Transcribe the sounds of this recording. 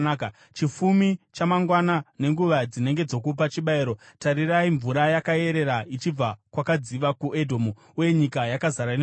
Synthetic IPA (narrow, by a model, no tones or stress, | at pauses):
ka | t͡ʃifumit͡ʃamaŋɡwanane̞ŋɡuʋad͡zine̞ŋɡe̞d͡zo̞k̬up̬at͡ʃiɓaiːɾo̞taɾiraiɱvuɾajakae̞ɾe̞ɾait͡ʃib͡vakwakad͡ziʋakuʔedʱo̞mu | uje̞ɲikajakazaɾane